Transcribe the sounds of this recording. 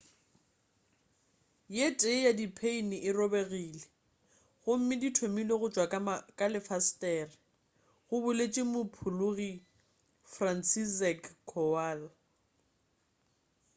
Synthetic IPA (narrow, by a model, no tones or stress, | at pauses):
jetʼejadipʰeinɪʔɪrɔbeɣiːle | ɣʊm̩mɪditʰomileɣʊt͡ʃʼwakʼaakʼalɪfastʼɛrɪ | ɣʊbʊlet͡ʃʼɪmʊpʰʊlʊɣi | fran̩sisɛkʰːɔwal